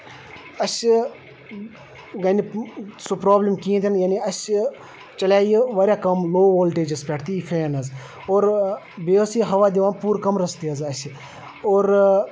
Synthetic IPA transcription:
ɐs | ɡɐnisopɾoːblimkĩːt̪ʲʰɐnjaːniɐs | t͡ʃɐlʲaːjiʋɐɾʲjaːkɐmloːʋoːlʈeːd͡ʒɐspeːʈʰt̪iipʰeːnɐz | oːɾ | beːʋəsiɦɐʋaːd̪iʋaːnpuːɾkɐmɾɐst̪iɐzɐsi | oːɾ

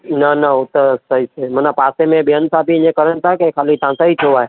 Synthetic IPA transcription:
nɐnɐɦʊt̪esɐɦisemənãpaːsemẽɓɪjənsaːbiɪɲẽkəɾənɪ̆t̪ʰakekʰaːlit̪ãsaɦit̪ʰoaːe

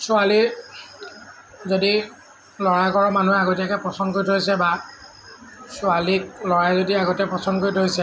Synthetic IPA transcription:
sʊali | zodi | lɔɹakɔɹɔmanuɦɛaɡotiakɛpɹɔsɔnkoitɦojsɛba | sʊalik̚lɔɹajzodiaɡɔtɛpɹɔsɔnkoɹitɦojsɛ

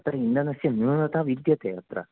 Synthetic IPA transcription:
ɐt̪ɾɐind̪ɐnɐsjɐnunɐt̪ʰaʋid̪jɐt̪eɐt̪ɾɐ̰

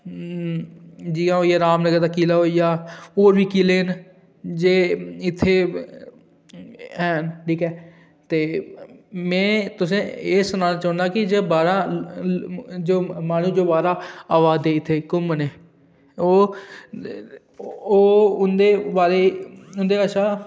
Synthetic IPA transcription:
d͡ʒiãːɦoːijaːɾaːmnəɡəɾd̪aːkiːlaːɦoːijaːoːɾʋiːkileːn | d͡ʒeːɪt̪ʰːeː | ɦɛːʈʰiːkɛː | t̪eː | mɛ̃ːt̪ʊsẽːeːsʊnãːnaːt͡ʃãːʊ̃nd̪aːkɪd͡ʒeːbaːɾaː | d͡ʒoːmaːñũːd͡ʒoːbaːɾaːaːʋaːd̪ɛːɪt̪ʰːeːkʊməneː | oː | oːʊnd̪eːbaːɾeːʊnd̪eːəʃãː

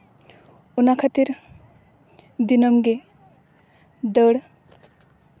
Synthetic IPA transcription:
unakʰat̪iɾ | d̪inʌmɡe | d̪əɽ

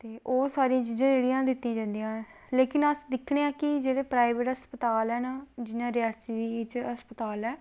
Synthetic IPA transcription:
t̪eːʔoːsaːɾiãːt͡ʃiːd͡ʒãːd͡ʒeːɽiãːd̪ɪt̪ːĩãːd͡ʒãːnd̪ijãː | leːkɪnəsd̪ɪkʰːneːãːkɪd͡ʒeːɽeːpɾaːiʋeːʈəspət̪aːlɛːnad͡ʒɪnãːɾɪjaːst̪iːd̪iːɪt͡ʃəspət̪aːlɛː

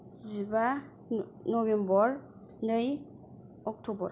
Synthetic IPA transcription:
zziba | nɔbembɔɾ | nɯj | ɔk̚tʰɔbɔɾ

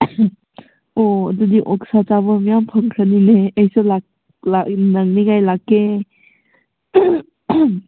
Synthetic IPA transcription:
ɔə̰dudiʔɔk̚sat͡ʃabəmijampʰəŋkʰənineejsɯlak | lanaŋnikajlakːe

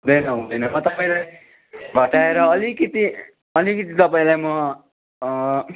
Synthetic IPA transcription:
ɦũd̪ʌjnʌɦũd̪ʌjnʌmʌt̪ʌpaĩlaj | ɡʱʌʈaeɾʌːlikʌt̪i | ʌlikʌt̪it̪ʌpaĩlajmʌ

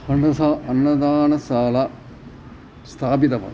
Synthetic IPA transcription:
hɐɳɖɐsaɐnːɐd̪aːnɐsaːlɐ | st̪ʰaːbid̪ɐpɐ̰

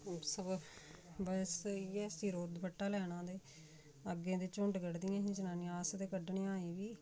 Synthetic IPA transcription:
səb | bəsiːɛːsiːɾoːd̪pəʈːaːlɛːñãːd̪eː | əɡẽːd̪eːt͡ʃʊɳɖɡəɽd̪ɪãːɦĩːd͡ʒənaːnĩːaːsd̪eːkəɖɳẽːaːiːʋiː

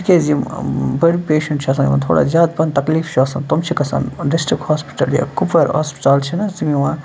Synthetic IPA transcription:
ikezimbɐɽipeːʃɐɳʈt͡ʃʰiɐsɐ̃nḭʋã̰t̪ʰo̰ːɽa̰zjaːd̪̚pɐnt̪ɐkliːft͡ʃʰiɐsɐnt̪omt͡ʃʰikɐsɐ̰nɖisʈɾikhaːspi̥ʈɐlja̰kupʰɐɾa̰ːspi̥ʈaːlt͡ʃʰinɐzimiʋã

